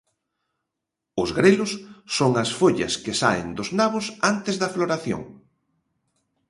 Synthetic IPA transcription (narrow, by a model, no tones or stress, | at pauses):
ʊzɣɾelʊsːoŋɐsfoʎɐ̰skɪsaɪ̰nd̪ʊznaβʊsant̪ɪzðɐfloɾaθjo̰ŋ